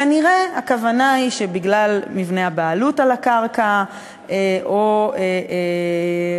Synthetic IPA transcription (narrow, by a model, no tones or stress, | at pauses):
kaniʁeakavanaiʃebiɡlalmivne̞abaːlutalakaʁka | eʔoee